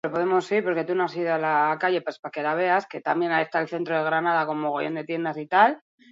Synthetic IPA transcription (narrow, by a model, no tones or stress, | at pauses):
opo̞ðe̞mo̞siɾpo̞ɾke̞t̪unoasiðoalakaʝe̞paspake̞laβe̞aske̞t̪amje̞naje̞st̪aelθe̞nt̪ɾoð̞e̞ɣɾanaðako̞mmo̞ɣ̞ojo̞nd̪e̞t̪je̞nd̪asit̪al